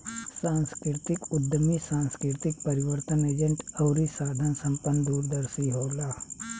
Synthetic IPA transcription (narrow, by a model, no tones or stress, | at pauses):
sãːnskɾɪɾt̪ɪkʊd̪ʱːəmisãːnskɾɪɾt̪ɪk̚pɐɾɪwəɾt̪əneːd͡ʒə̃ɳʈɐʊɾisaːd̪ʱənsɐ̃mpənːd̪uːɾd̪əɾsiɦoːlaː